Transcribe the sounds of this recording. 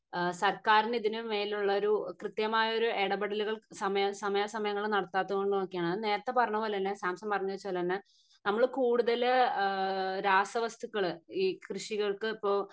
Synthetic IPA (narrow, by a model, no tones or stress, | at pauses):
sɐrkaːɾiniðinɨmeːluɭːɐo̞ɾukrɨt̪jɐmaːjɐo̞ɾueɽɐbɐɽɐluɣɐɭsɐmɐjɐsɐmɐjɐsɐmɐjɐŋːɐɭnɐɽɐt̪ːaːt̪ːɐkoɳɖunokːijaːɳɨne̞ːɾɐt̪ːe̞pɐrɐɲːɐpoːlnːesaːmsɐmpɐrɐɲːuʋɐt͡ɕːɐoːlːɐnːe | nɐmːɐɭkuːɽuðɐl | ɾaːsɐʋɐst̪ukːɐɭɨiːkrɨʂiɣɐɭkɨipːo̞ː